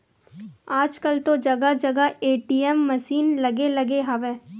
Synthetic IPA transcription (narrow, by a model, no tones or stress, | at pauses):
aːd͡ʒkəlt̪od͡ʒɐɡad͡ʒɐɡaeːʈiɛmːəsiːnlɐɡelɐɡeɦaʋeː